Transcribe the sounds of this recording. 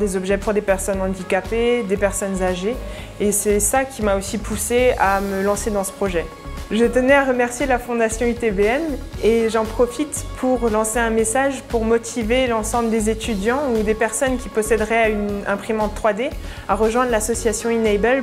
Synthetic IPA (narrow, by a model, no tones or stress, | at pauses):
d̪ezɔbʒɛpuʁd̪epɛʁsɔnɑ̃d̪ikaped̪epɛʁsɔnzaʒeː | sɛsakʲimaosipʰuseaməlɑ̃sed̪ɑ̃sə̥pχɔʒɛ | ʒət̪ənɛaʁəmɛʁsjelafɔ̃d̪asjɔ̃yt̪ebeɛneʒɑ̃pχɔfit̪pʰuʁlɑ̃seɛ̃mesaʒpuʁmɔt̪ʰivelɑ̃sɑ̃bləd̪ezet̪yd̪jɑ̃ud̪epɛʁsɔnkʲipɔsɛd̪ʁɛaynɛ̃pχimɑ̃t̪ːχwad̪e | aʁəʒwɛ̃d̪ʁlasɔsjasjɔ̃inɛbɛl